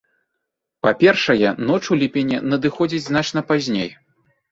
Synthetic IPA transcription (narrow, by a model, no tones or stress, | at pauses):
papʲɛrʂɐjɛnɔt͡ʂulʲipʲɛnʲɛnɐd̪ɨxɔd͡zʲid͡zʲznat͡ʂnɐpazʲnʲḛj